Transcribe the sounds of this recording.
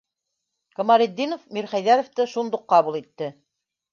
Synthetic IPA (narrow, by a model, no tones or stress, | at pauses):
kə̆mɑɾĕd̪ːinofmiɾχæjðæɾŏft̪ɘʃund̪uqːɑβulˠit̪ːɘ